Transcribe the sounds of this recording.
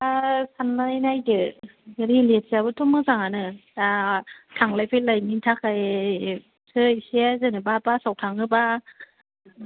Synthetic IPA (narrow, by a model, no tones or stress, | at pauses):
asanlajnajdɯɾilet̚sabɯtʰomɯzaŋanɯ | tʰaŋlajpʰelajmintʰakaj | sɯjsezɯnɯbapasawtʰaŋɯba